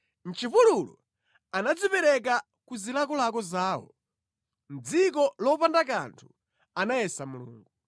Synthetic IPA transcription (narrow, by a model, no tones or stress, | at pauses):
n̩t͡ʃʰipululɔ̰ | anad͡zipɛɾɛk̬a | kuzilakɔlakɔzaːwɔ̰ | n̩d͡zik̬ɔlɔpandaka̰ntʰu | anajɛsamulṵːŋɡu